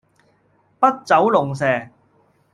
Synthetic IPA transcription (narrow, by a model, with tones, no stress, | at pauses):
pɐ˥t̚t͡sɐ˨˥wlʊ˨˩ŋs̬ɛː˨˩